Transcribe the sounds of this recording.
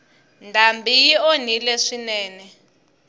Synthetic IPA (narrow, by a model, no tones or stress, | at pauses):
ndʱambijionilɛʂinɛːnɛ